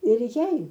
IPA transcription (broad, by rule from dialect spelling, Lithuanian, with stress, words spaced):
ɪr ˈjɛɪ